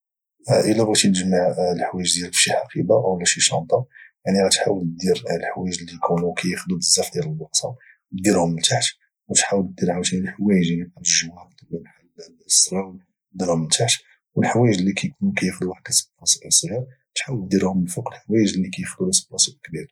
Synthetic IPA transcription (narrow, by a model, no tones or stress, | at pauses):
ʔəlːæbɣit̪inəʒmaʕəlħwæjəʒd̪jælfʃiħɑqʰibaʔəwlːæʃiʃɑ̰d̪ˤɑjaʕniɣæt̪ħawəlt̪d̪iɾlħwæjəʒlːikʰunukæjəxd̪udəzːæfd̪jæləlwɑqsɑ | d̪iɾhʊmːənt̪aʕt̪ | wət̪ħawəlt̪̚d̪iɾʕawt̪iəlħwæjəʒlibanəʒuæk̚t̪lːmħal | sːɾˤɑw | d̪iɾʊmːənt̪ʰaʕt̪ | wəlħwæjəʒlːikæjkunukæjəxd̪uwaħd̪æsbfɑsʔəlsˤɣiɾ | t̪ħawəld̪ːiɾhʊməlfuqəlħwæjəʒlːikæjəxd̪ulæsə̥bɑsəʔkbiɾ